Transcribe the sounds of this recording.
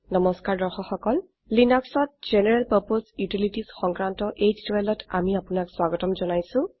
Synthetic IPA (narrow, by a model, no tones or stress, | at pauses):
nɔmɔskaɹdɔɹxɔxɔkɔl | linɔksɔt̚z̥enɛɹɛlpaɹposjutilitisxɔŋkɹantɔʔezdwɛlɔta̰miapʊnakswaɡɔtɔmzɔnajsʊ̃